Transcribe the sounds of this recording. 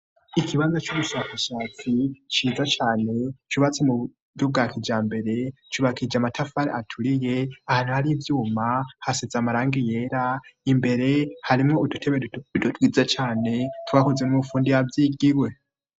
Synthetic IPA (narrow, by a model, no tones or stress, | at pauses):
ikʰiβaːnzat͡ʃuβuʃaːkaʃaːt͡sit͡ʃiːzat͡ʃaːne̞t͡ʃuβat͡semu | jub̚ɡaːkʰid͡ʒaːmbe̞ɾe̞t͡ʃuβakʰid͡ʒamatʰafaɾḛatʰuɾije̞ahaːn̥uhaɾivjuːmahasezamaɾaːŋɡije̞ːɾaimbe̞ɾe̞haɾimŋo̞udutʰe̞βeudutwiːzat͡ʃaːne̞twaːhuzenumufuːndijavjiːɡiɾwe̞